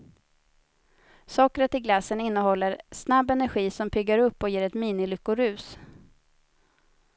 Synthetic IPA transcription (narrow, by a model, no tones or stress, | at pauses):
sɑːkɾət̪ɪɡlasːənɪnːəhɔlːəɾsnabːɛnæɾɧiːsɔmpʰʏɡːaɾɵpːɔjeːɾɛt̪miːnɪlʏkːʊɾʉ̟ːs